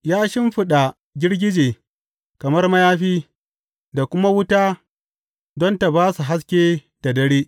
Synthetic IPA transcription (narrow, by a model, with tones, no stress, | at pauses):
jaː˦ʃɪ˦mɸɪ˦ɗa˨ | ɡʲɪ˦ɽɡʲɪ˦d͡ʒeː˨ | kɐ˨mɐ˦rmɐ˦jaː˦ɸiː˦ | da˨kʷʊ˦ma˦wʊ˦ta˦ | dɔ˦nta˨baː˦su˨ɦa˦s̬kʲeː˦ | d̥a˨dɐ˦ɽeː˦ʔ